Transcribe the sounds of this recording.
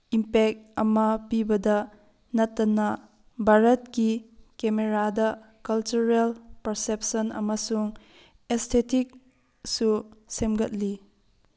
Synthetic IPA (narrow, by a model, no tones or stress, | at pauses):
impek̚t̚ɐmɐpibɐdɐ | nɐtːɐnɐ | bʱaɾɐt̚kikemeɾadɐ | kɐlt͡ʃuɾelpɐɾsep̚sɐnɐ̰mɐsuŋ | estʰetik̚ | susemɡɐt̚li